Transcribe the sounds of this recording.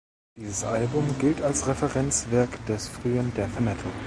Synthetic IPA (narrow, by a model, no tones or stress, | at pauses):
d̥iːzəsʔalbʊmɡɪltalsʁɛfɛʁɛnt͡sv̥ɛɐkd̥ɛsfʁ̥yːəndeːɐfɛmɛtʰl̩